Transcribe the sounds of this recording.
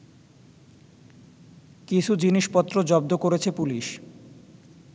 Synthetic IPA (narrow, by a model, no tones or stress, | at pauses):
kit͡ɕʰud͡ʑiniʃpɔt̪ːɾod͡ʑɔb̚d̪okoɾet͡ɕʰepuliʃ